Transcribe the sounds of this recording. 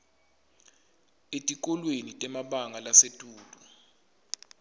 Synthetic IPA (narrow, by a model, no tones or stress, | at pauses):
etʼik̬ʼɔlwenitʼɛmaɓaŋalasetʼuːlʼu